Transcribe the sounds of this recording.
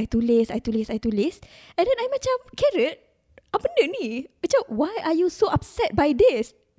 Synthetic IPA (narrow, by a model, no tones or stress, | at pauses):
ajt̪ulɪsajt̪ulɪsajt̪ulɪs | ɛ̃ndɛ̃najmɛt͡ʃamkɛɹət̚ | ʔapə̃ndənimɛt͡ʃawajʔajusoʔap̚sɛt̚bajdis